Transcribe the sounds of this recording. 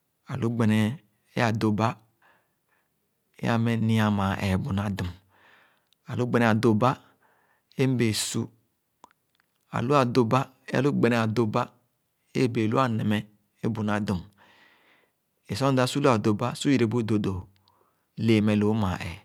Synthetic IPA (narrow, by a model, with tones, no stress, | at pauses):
a˨lu˦ɡ͡be˨nɛ˨ | ḛ˦a˨do˨ba˦ | ḛ˦a̰˦mɛ˦ni˦a˨ma˨ɛ̰˨bu˨na˦du˨m | a˨lu˦ɡ͡bɛ˨nɛ˨a˨do˨ba˦ | e˦m˦be˨su˦ | a̰˨lu˦a˨do˦ba˦ | e˦a̰˨lu˦ɡ͡bɛ˨nɛ˨a˨do˨ba̰˦˨ | be˨lu˦a˦˨nɛ˨mɛ˦ | e˦bu˨n˦a˨du˨m | e˨sɔ˦da˦su˦lu˦a˨do˨ba˦su˦ji˨ɾe˨bo˦˨do˨do˨ | le˨mɛ˨lo˨˦ma˨ʔɛ̰˨